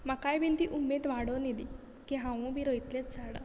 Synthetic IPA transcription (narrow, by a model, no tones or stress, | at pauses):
makajbint̪iʔumːed̪ʋaɽonid̪i | kiɦãʋũbʱiɾəjt̪let̪d͡zaɽa̰